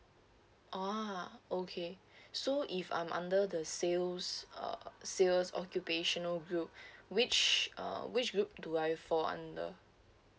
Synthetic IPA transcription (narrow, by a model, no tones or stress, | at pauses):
ʔaokʰesoʔifã̰j̃mʔã̰ndədəselsʌ̰selsɔkjupeʃɔ̃nəlɡɹup̚wit͡ʃʌ̰wit͡ʃɡɹup̚duajfɔã̰ndə̰